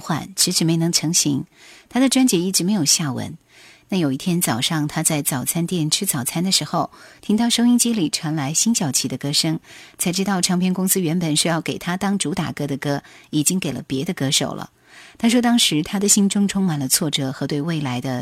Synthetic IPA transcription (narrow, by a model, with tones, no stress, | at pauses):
xwa̰˨˩nʈ͡ʂʰɻ̩˧˥ʂ̩˧˥me˧˥ɪnɤ˧˥ŋʈ͡ʂʰɤ˧˥ŋɕḭ˧˥ŋt̪ʰa˥d̪ə˨ʈ͡ʂwa˥nt͡ɕjɛ˧˥i˥˩ʈ͡ʂɻ̩˧˥me˧˥ɪjo˨˩ʊɕja˥˩wə̰˧˥n | na˥˩jo˨˩ʊi˥˩t̪ʰjɛ˥nt͡sɑ˨˩ʊʂɑ˥˧ŋt̪ʰa˥t͡sa˥˩ɪt͡sɑ˨˩ʊt͡sʰa˥nt̪jɛ˥˩nʈ͡ʂʰɻ̩˥t͡sɑ˨˩ʊt͡sʰa˥nd̪ə˨ʂɻ̩˧˥xo˧ʊt̪ʰi˥ŋt̪ɑ˥˩ʊʂo˥ʊi˥ŋt͡ɕi˥li˨˩ʈ͡ʂʰwa˧˥nla˧˥ɪɕi˥nɕjɑ˨˩ʊt͡ɕʰi˧˥˩d̪ə˧kɤ˥ʂɤ˥ŋt͡sʰa˧˥ɪʈ͡ʂɻ̩˥t̪ɑ˥˩ʊʈ͡ʂʰɑ˧˥ŋpʰjɛ˥nkʊ˥ŋsɹ̩˥ɥɛ˧˥npə˨˩nʂɻ̩˥˧jɑ˥˩ʊke˨˩ɪt̪ʰa˥t̪ɑ˥ŋʈ͡ʂu˧˥t̪a̰˨˩kɤ˥d̪ə˨kɤ˥i˨˩t͡ɕi˥ŋke˨˩ɪlə̰˦pjɛ˧˥d̪ə˧kɤ˥ʂo̰˨˩ʊlʔə̰˦ | t̪ʰa˥ʂ̬wɔ˥t̪̬ɑ˥ŋʂɻ̩˧˥t̪ʰa˥d̪ə˨ɕi˥nʈ͡ʂʊ˥ŋʈ͡ʂʰʊ˥ŋma˨˩nlə˦t͡sʰwɔ˥˩ʈ͡ʂɤ˧˩xɤ˧˥t̪we˥˧ɪwe˥˩ɪla˧˥ɪd̪ə˧